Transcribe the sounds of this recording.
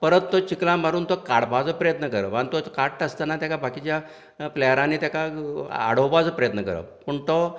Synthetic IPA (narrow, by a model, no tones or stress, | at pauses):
pəɾət̪ːot͡ɕiklãmbʱaɾuːnt̪okaɽbad͡zəpɾəjət̪nəkəɾə̰ʋanit̪okaʈːəst̪anat̪jakabakit͡ɕja | plɛjəɾãnit̪jakaa̰ɽ̤owpad͡zəpɾəjət̪nəkəɾə̰pəɳt̪o